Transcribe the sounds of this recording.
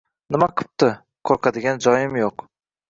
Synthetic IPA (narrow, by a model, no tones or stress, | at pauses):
nɪmaqʰɨ̥p̚t̪ɪ | kʰoɾqʰad̪ɪɡʲand͡ʒɒjɪmjoq